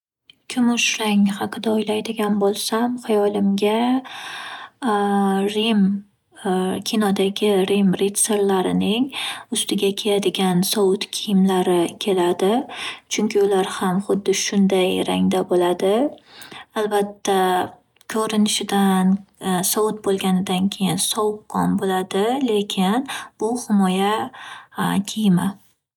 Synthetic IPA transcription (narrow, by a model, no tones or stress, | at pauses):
kʲʰʊmʊʃɾaŋhɑqʰɨd̪aojlajd̪ɪɡʲanbolˠsamhajɒlɪmɡʲa | ɾim | kʲʰinɒd̪aɡʲɪɾimɾet̪se̞ɾlaɾɪnɪŋʊst̪ɪɡʲakʲʰejad̪ɪɡʲansɒʊt̪kʲʰijɪmlaɾɪkʲʰe̞lad̪ɪt͡ʃʰʊŋkʲʰɪʊlaɾhamχʊd̪ːɪʃʊnd̪ajɾa̰ŋd̪abolad̪ɪ | albat̪ʰːa | kʲʰɵɾɪnɪʃɪd̪ansɒʊt̪̚bolˠɡʲanɪd̪ankʲʰe̞jɪnsɒwʊqqɒnbolad̪ɪle̞kʲʰɪnb̥ʊhɪmɒja | kʲʰijma